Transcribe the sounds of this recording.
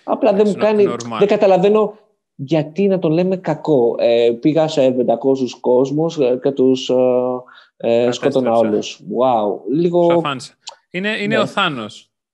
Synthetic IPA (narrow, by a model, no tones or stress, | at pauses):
ɐ̰plɐðemukɐniðeŋɡɐt̪ɐlɐve̞no̞ | ʝɐt̪inɐt̪o̞nle̞me̞kɐko̞epiɣɐseved̪ɐkosusko̞zmuscet̪us | skot̪onɐo̞luswauliɣo̞ | ineineoθɐnos